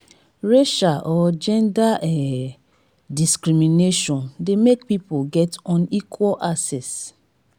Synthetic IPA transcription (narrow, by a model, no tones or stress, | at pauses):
ɹeʃaʔɔd͡ʒɛ̃ndaɛ | diskɹimineʃɔ̃ndemek̚pipoɡɛtɔ̃nikʰwɔlʔasɛs